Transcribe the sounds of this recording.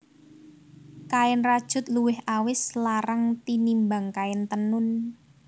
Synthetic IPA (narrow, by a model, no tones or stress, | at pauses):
kaɪnrad̥ʒ̥ʊ̤t̪̚luwɪhawɪslaɾaŋt̪inimbaŋkaɪnt̪ənʊn